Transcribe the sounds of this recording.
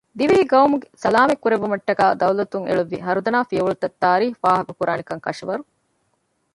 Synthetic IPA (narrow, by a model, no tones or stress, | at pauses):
d̪iʋiɦiɡɐwmuɡesɐlaːmekːuɾebumɐʈːɐɡaːd̪ɐwlɐt̪uŋʔḛɭuʋːḭɦɐɾud̪ɐnaːfijɐʋuɭut̪ɐt̪ːaːɾiːɦuʋaːɦɐkukuɾaːnikɐŋkɐ̰ʂɐʋɐɾu